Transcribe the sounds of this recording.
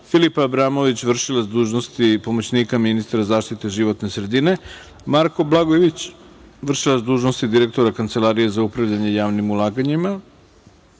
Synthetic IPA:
filipabɾaːmo̞ʋit͡ɕʋr̩ʃilˠazd̪uːʒnost̪ipo̞mot͡ɕnikaminist̪ɾazaːʃt̪it̪e̞ʒiʋo̞t̪ne̞sɾe̞d̪ine̞ | maɾko̞blˠaɡojeʋit͡ɕʋr̩ʃilˠazd̪uːʒnost̪id̪iɾe̞k̚t̪o̞ɾakant̪se̞lˠaːɾije̞zaupɾaʋʎaɲe̞jaːʋnimulˠaːɡaɲima

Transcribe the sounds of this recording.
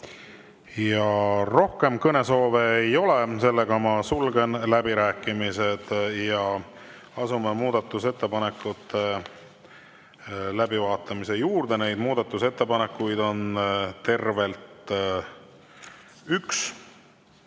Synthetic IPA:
jɑro̞hke̞mkɤne̞so̞ːveejo̞le̞se̞lːe̞ɡ̥ɑmɑsulɡe̞nlæbiɾæːkːˑimise̞d̪̥jɑ | ɑsumemuːd̪ɑt̪ːˑuse̞t̪ːe̞pɑne̞kːˑut̪ːˑe | læbivɑːt̪ːˑɑmise̞juːrd̪̥e̞ne̞jd̪̥muːd̪̥ɑt̪ːˑuse̞t̪ːe̞pɑnekːˑujd̪̥o̞nt̪e̞rve̞lt̪ | yks

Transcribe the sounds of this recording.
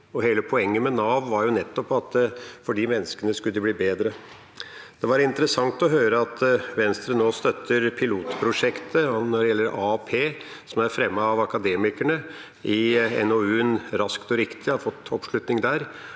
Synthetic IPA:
ɔɦeːləpʰɔɛŋːəmɛnɑːʋʋɑɾjʊnɛt̪ːɔpɑt̪fɔɖiːmɛnːəskənəskʉld̪ɛbliːbeːd̪ɾə | d̪̥ɛʋɑɾɪnt̪əɾəsɑŋt̪ɔɦøːɾəɑt̪ʋɛnst̪ɾənoːst̪œt̪ʰːəɾpʰɪluːt̪pʰɾʊʂɛkt̪ʰənɔɖɛjɛlːəɾɑpʰeː | sɔmæɾfɾɛmːəɑʋɑkɑd̪eːmɪkæɳə | ʔɪɛ̰noʉːnɾɑskt̪ɔɾɪkt̪ɪfɔt̪ːɔpʂɭʉt̪nɪŋd̪æːɾ

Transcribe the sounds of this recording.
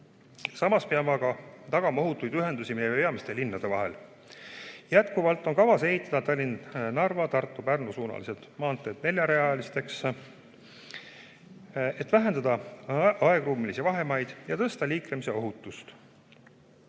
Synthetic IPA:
sɑmɑspeɑmɑɡɑt̪ɑɡ̥ɑmɑo̞ɦut̪ːˑujd̪yɦe̞nd̪usimejepe̞ɑmist̪e̞linːɑd̪̥e̞vɑɦe̞̰l | jæt̪kuvɑlt̪ːˑo̞nkɑvɑse̞ɦit̪ːˑɑd̪ɑt̪ɑlʲːinnɑrvɑt̪ɑrt̪ːˑupærnosuːnɑ̰lised̪̥mɑːnt̪ːˑe̞ːd̪̥ne̞lʲjɑɾe̞ɑlist̪e̞ks | e̞t̪ːˑvæɦe̞nd̪ɑd̪ɑɑe̞ɡruːmilisivɑɦe̞mɑjd̪̥jɑt̪ɤst̪ɑliːkɾemise̞o̞ɦut̪ːˑust̪

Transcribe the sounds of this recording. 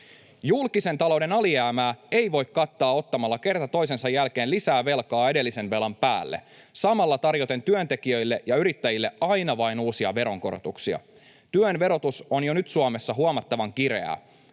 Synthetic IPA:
julkise̞nt̪ɑlo̞wde̞nɑliæːmæːe̞jʋo̞ikkɑt̪ːɑːo̞t̪ːɑmɑlːɑke̞rt̪ɑt̪o̞is̬e̞nsɑjːælke̞ːnlisæːʋe̞lkɑːe̞de̞lːise̞nʋe̞lɑmpæːlːḛ | sɑmɑlːɑt̪ɑrjo̞t̪e̞nt̪yønt̪ekiø̞ilːe̞ʔjɑyɾit̪ːæjilːe̞ɑjnɑʋɑinuːsiɑ̰ʋe̞ɾo̞ŋko̞ɾo̰t̪uksiɑ̰ | t̪yønʋe̞ɾo̞t̪usonjonyt̪suomesːɑɦuɑmɑt̪ːɑʋɑŋkiɾe̞æ̰

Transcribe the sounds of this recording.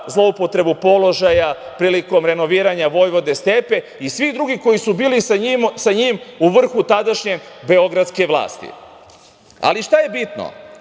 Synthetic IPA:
zlˠo̞upo̞t̪ɾe̞bupo̞lo̞ʒajapɾiːliko̞mɾe̞no̞ʋiːɾaɲaʋo̞jʋo̞d̪e̞st̪e̞pe̞ | isʋid̪ɾuɡiko̞jisubiːlimsaɲimuʋr̩xut̪ad̪aʃɲe̞be̞o̞ɡɾat̪ske̞ʋlˠa̰ːst̪ḭ | a̰liʃt̪aje̞bit̪no̰

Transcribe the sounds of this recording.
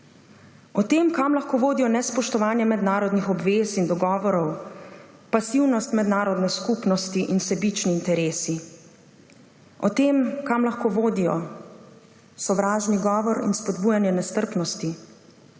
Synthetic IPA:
ɔt̪emkamlaxkoːʋoːd̪ijɔnɛspɔʃt̪ɔʋaːnjɛmɛd̪naːɾɔd̪nixɔbʋeːsind̪ɔɡɔːʋɔɾɔw | pasiwnɔst̪mɛd̪naːɾɔd̪nɛskupnɔst̪iʔinsɛbit͡ʃniːnt̪ɛɾeːsi | ɔt̪eːmkamlaxkoːʋoːd̪ijɔ̰ | sɔʋɾaːʒniɡɔːʋɔɾḭnspɔd̪buːjanjɛnɛst̪əɾpnɔst̪i

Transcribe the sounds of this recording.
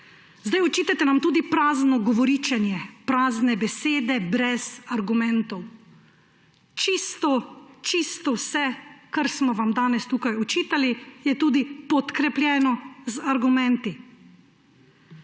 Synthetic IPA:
zd̪ajɔt͡ʃiːt̪at̪ɛnamt̪uːd̪ipɾaːznɔɡɔʋɔɾiːt͡ʃɛnjɛpɾaːznɛbɛseːd̪ɛbɾɛzaɾɡumɛ̃nt̪ɔw | t͡ʃist̪ɔt͡ʃist̪ɔwsɛkaɾsmɔʋamd̪aːnɛst̪uːkajɔt͡ʃiːt̪alijɛt̪uːd̪ipɔt̪kɾɛpljɛːnɔzaɾɡumɛ̃nt̪i

